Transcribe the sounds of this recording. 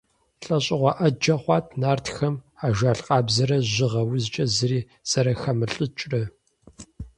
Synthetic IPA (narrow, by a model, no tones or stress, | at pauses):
ɬʼɐɕʼɪʁʷɑʔɐd͡ʒɐχʷɑːtʰnaːrtxɐmaːʒaːɬqʼɑːbzɐɾɐʑɪʁɐwʊzt͡ʃʼɐzɨriː | z̥ɐɾɐxɐmɨɬʼɨt͡ʃʼrɐ